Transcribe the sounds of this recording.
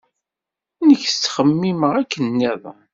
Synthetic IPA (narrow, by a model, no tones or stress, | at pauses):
nəçə̥t͡sːχəmːiməʁækːənːiðˤɑn